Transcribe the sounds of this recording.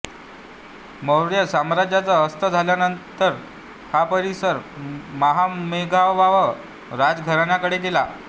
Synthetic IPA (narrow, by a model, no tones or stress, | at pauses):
məwɾjəsamɾad͡ʑjat͡səːst̪əd͡zʱaljanənt̪əɾ | hapəɾisəɾmaɦameɡʱaʋaʋə | ɾad͡zɡʱəɾaɳjakəɽeɡela